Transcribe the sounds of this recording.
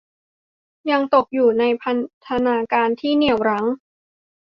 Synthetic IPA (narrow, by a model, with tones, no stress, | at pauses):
ja˧ŋt̪o˨˩k̚juː˨˩na˧jpʰa˧nt̪ʰa˧naː˧kaː˧nt̪ʰiː˥˩ni˨˩əwɾa˦˥ŋ